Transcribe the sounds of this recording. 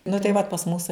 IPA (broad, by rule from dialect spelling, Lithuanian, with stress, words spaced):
nʊ tɐɪ ˈʋɐt pɐs ˈmʊsɐɪ